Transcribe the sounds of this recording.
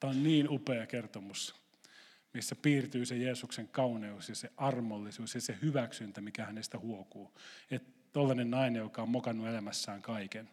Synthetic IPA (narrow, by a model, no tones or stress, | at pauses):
t̪æonniːnupeɑkert̪omus | misːæpiːrt̪yːsejeːsukseŋkɑuneusjɑseʔɑrmolːisuːsjɑsehyʋæksynt̪æmikæhænest̪æhuokuːet̪ | t̪olːɑnennɑinejjokɑommokɑnːuelæmæsːæːŋkɑiken